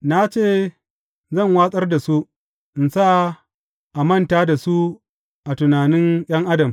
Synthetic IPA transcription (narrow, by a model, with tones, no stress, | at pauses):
na˦t͡ʃeː˦˨ | zɐ˦˨ŋwaː˦sʼɐ˦rda˨su˦ʔ | ʔɪ˨nsa˦ | ʔa˨mɐ˦˨ntaː˦da˨su˦ | ʔa˨tʊ˨naː˨nɪ˦ŋj̰ɐ˦ŋʔa˦dɐ˨m